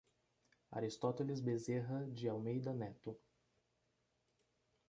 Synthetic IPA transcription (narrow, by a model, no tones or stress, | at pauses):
a̰ɾist̪ɔt̪elizbezeɦɐd͡ʒɪawmejd̪ɐnɛt̪ʊ